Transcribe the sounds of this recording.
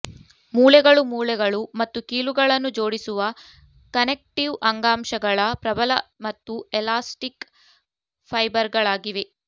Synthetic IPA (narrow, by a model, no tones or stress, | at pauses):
muːlɛɡɐɭumuːlɛɡɐɭumɐt̪ːukiːluɡɐɭɐnːud͡ʒoːɽisuʋɐ | kɐnek̚ʈiʋɐŋɡaːmʃɐɡɐɭɐpɾɐbɐlɐmɐt̪ːuɛlaːsʈik | pʰɐjbɐɾɡɐɭaːɡiʋe